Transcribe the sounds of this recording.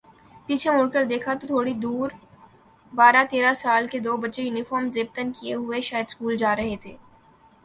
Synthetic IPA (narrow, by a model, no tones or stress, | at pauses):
piːt͡ʃʰemʊɽkəɾd̪eːkʰat̪ot̪ʰoːɽid̪uːɾ | baːɾat̪eːɾasaːlked̪oːbɐtːʃejuːnɪfɔːɾmzeːb̚t̪ənkieɦʊeʃaːjəd̪skuːld͡ʒaːɾɐɦet̪ʰeː